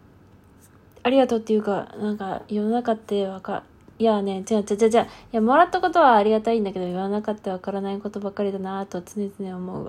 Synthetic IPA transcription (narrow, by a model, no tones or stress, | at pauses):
aɾʲiɡat̪o̞ːt̪ːe̞jɯ̟ːkanãŋkajononakat̪ːe̞βaka̰ | iane̞t͡ɕinat͡ɕad͡ʑaːd͡ʑaːjamoɾat̪ːako̞t̪o̞βaːɾʲiɡat̪aĩnd̪ake̞d̪ojononakat̪ːe̞βakaɾanaiko̞t̪o̞bakːaɾʲid̪anat̪o̞t͡sɨne̞t͡sɨne̞omo̞ɯ̟̰a